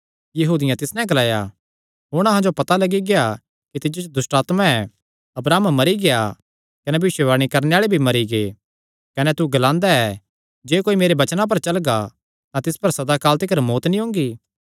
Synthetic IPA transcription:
jɐɦuːd̪ɪjãt̪ɪsnɛ̃ɡɐlaːja̰ | ɦʊɽ̃ɐɦãd͡ʒopɐt̪alɐɡiɡea | kit̪ɪd͡ʒot͡ʃod̪ʊsʈaːt̪mãɛ | ɐbɾaːmmɐɾiɡea | kɐnɛbɐʋɪʃəʋaːɽ̃ikɐɾneaːɭebʱimɐɾiɡe | kɐnɛt̪uɡɐlãːnd̪aɛ | d͡ʒeːkoːimeːɾebɐt͡ʃnãp̬ɐɾt͡ʃɐlɡa | t̪ãt̪ɪspɐɾsɐd̪akaːlt̪ɪkəɾmoːt̪nĩɦʊ̃ːŋɡiː

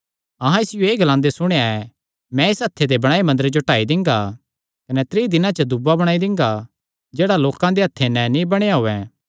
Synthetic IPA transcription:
ɐɦãɪsɪjoeːɡɐlãːnd̪esʊɽ̃eaɛ | mɛ̃ɪsɦɐt̪ʰːed̪ebɐɽ̃aːemɐ̃nd̪əɾed͡ʒoʈaːid̪ɪ̃ŋɡa | kɐnɛt̪ɾiːd̪ɪnãt͡ʃəd̪ʊbːabɐɽ̃aːid̪ɪ̃ŋɡa | d͡ʒeːɽaloːkãd̪eɦɐt̪ʰːenɛnĩbɐɽ̃eaɦoːɛ̃ː

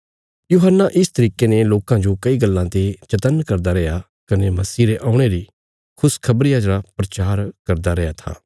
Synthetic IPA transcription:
juːɦənːaʔɪst̪ɐɾiːkeneloːkãd͡ʒokɐiɡɐlːãt̪et͡ʃɐt̪ənkɐɾd̪aɾɛja | kɐnemɐsiːɾeʔaːʊ̃ɽ̃eɾi | kʰʊskʰɐbɾɪjãd͡ʒɾapɾɐt͡ʃaːɾkɐɾd̪aɾɛjat̪ʰa̰ː

